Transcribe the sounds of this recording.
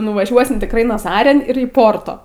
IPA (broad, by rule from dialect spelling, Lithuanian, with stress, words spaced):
nʊʋɐˈʒʲuɔsʲɪm tʲɪkˈrɐɪ nɐˈzɑːrʲɪn ɪr iː ˈpoːrtoː